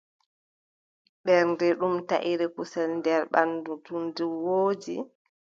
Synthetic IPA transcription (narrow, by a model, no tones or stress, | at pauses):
ɓɛɾndɛɗumta̰ʔiɾɛkusɛlndɛɾɓandutundiwoːd͡ʒi